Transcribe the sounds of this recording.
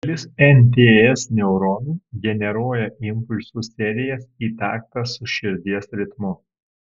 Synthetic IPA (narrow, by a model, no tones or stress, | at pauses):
ɐlʲɪsɛnʲt̪ʲeːɛsnʲɛʊɾɔnuːɡʲɛnʲɛɾoːjɛʔɪmpʊlʲsusʲɛɾʲɪjɛsiːt̪ɑːkt̪ɑsʊʃʲɪɾʲd̪ʲiɛsɾʲɪt̪mʊ